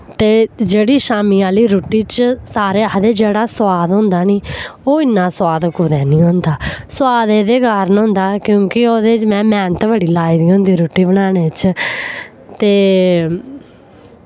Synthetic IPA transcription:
t̪eːd͡ʒeːɽiːʃaːmiːaːliːɾoːʈiːt͡ʃsaːɾeːd̪eːd͡ʒeːɽaːswaːd̪ɦʊ̃nd̪aːnĩːoːɪnːãːswaːd̪kʊd̪ɛːnĩːɦʊ̃nd̪aːswaːd̪eːd̪eːɡaːɾnɦʊ̃nd̪aːkjõːkɪoːd̪eːt͡ʃmɛ̃ːmɛːnt̪bəɽiːlaːiːd̪iːɦʊ̃nd̪iːɾoːʈːiːbəɽaːneːt͡ʃ | t̪eː

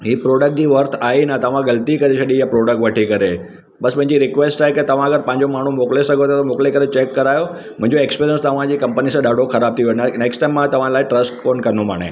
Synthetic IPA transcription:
ɦiːpɾoːɖək̚ʈ̚d͡ʑiːʋɐɾt̪ʰaːɦenət̪ɐʋ̤ãɡɐlt̪ikɐɾesɐɗijapɾoːɖək̚ʈʋɐʈʰikɐɾe | ɓɐspɐ̃ɦɪ̃ɲd͡ʑiɾɪkʋeːsʈaːɦeket̪ɐʋ̤ãɐɡəɾpɐ̃ɦɪ̃ɲd͡ʑomaːɳ̤umoːklesɐɡʱot̪ʰat̪ɐmoːklekɐɾet͡ɕeːkːɐɾaːjo | mʊ̃ɦɪ̃ɲd͡ʑoeːkspeːɾiənst̪ɐʋ̤ãd͡ʑiːkɐ̃mpənisãɗaːɖʱoxɐɾaːb̚t̪ʰionneːksʈaːɪmːãt̪ɐʋ̤ãlaːɪʈɾɐsʈkoːnkɐɾənoma̰ːɽ̃ḛ

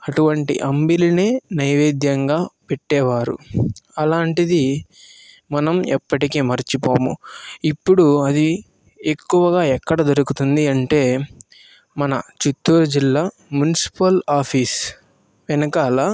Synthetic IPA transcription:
ɐʈuʋɐɳʈḭʔɐmbilineːnɐjʋeːd̪jɐŋɡaːpeʈːɛːʋaːɾṵɐlaːɳʈid̪i | mɐnɐmɛpːɐʈikeːmɐɾit͡ʃipoːmṵipːuɽuɐd̪i | ekːuʋɐɡaːɛkːɐɽɐd̪ɐɾukut̪und̪iɐɳʈe̞ː | mɐnɐ̰t͡ʃut̪ːuːɾɐd͡ʒilːaː | mjunisi̥pɐlaːpʰiːs | ʋɛnɐkɐːlaː

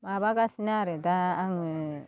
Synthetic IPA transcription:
maβaɡasinaɾed̪aːŋɯ

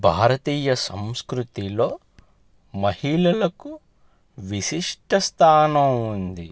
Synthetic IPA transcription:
bʱaːɾɐt̪iːjɐsɐmskɾut̪ilo̞ː | mɐhilɐlɐku | ʋiʃiʂʈɐst̪ʰaːnɐmund̪i

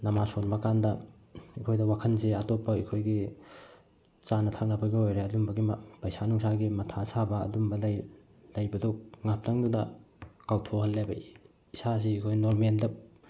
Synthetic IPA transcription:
nɐmasonbɐkandɐ | ikʰojdɐwakʰɐnseatopːɐikʰojɡi | t͡ʃanɐtʰak̚nɐbɐɡiojɾeɐdumbɐɡimpɐjsanuŋsaɡimɐtʰasabɐ̰ːdumbɐlj | lɐjbɐduk̚ŋap̚tɐŋdudɐkawtʰohɐlːebɐ | isas̬iikʰojnoɾmendɐp̚

